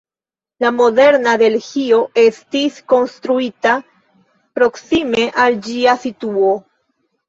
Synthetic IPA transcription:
lamo̞de̞ɾnadelhio̞ʔe̞stisko̞nst̪ɾuita | pɾo̞ksime̞ʔald͡ʒiasituo̞

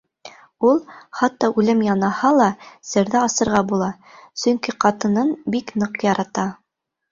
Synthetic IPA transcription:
ulˠχɑt̪ːɑʔʉlɘmjɑnɑhɑlˠɑsɘ̆ɾðæɑsɤ̆ɾʁɑbulˠɑ | sɵ̆ŋkiqɑt̪ɤ̆nɤnbiknɤqjɑɾɑt̪ɑ

